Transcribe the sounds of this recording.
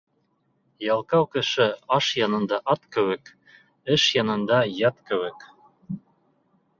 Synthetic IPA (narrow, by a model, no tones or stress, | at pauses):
jɑlˠkɑwkɘ̆ʃɘ̆ɑʃjɑnɤ̆nd̪ɑʔɑt̪kɘ̆wɘ̆k | ɘʃjɑnɤ̆nd̪ɑjɑt̪kɘ̆βɘ̆k